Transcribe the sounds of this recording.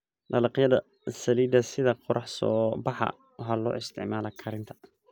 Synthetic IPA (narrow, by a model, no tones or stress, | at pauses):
lɐlɑqjɐðɐ | sɐliːd̪ɐsɪðɐqʊɾʔɑħsɔːbɑħɑ̰ | ɦɐlɔ̰ːɪst̪ʰɪ̰ʕmaːlɐkʰɐɾɪnt̪ʰɐ̥